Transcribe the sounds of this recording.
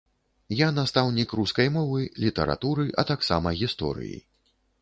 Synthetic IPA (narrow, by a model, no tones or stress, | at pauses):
janast̪awnʲikɾuskɐjmɔvɨlʲit̪ɐɾa̰t̪uɾɨʔɐt̪aksa̰mɐɣʲist̪ɔ̰ɾɨ̰jḭ